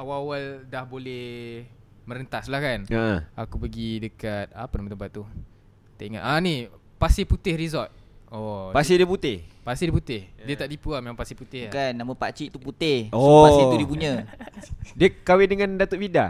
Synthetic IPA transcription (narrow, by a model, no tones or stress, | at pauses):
awawaldahbolɛh | mə̃ɾənt̪aslahkanəʔəakupəɡidəkat̪̚a̰pənamət̪əmpat̪ːu | t̪eiŋa̰ʔ̪ani | pasɪhput̪ɪhrizɔt̪̚ɔpassɪdiəput̪ɪhpasihdiəput̪ɪhdiət̪aʔdipuamemãŋpasihput̪ɪhkanːaməpa̰t͡ʃiʔt̪uput̪ɪhɔasit̪udibuɲə̃ | diəkawɪdəŋãndat̪əʔ̚fida